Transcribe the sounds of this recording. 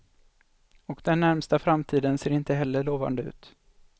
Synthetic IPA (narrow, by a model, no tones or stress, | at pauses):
ɔkd̪ɛnːæɾmst̪afɾamt̪ʰiːd̪ənseːɾɪnt̪əɦɛlːəɭoːva̰nd̪əʉ̟̰ːt̪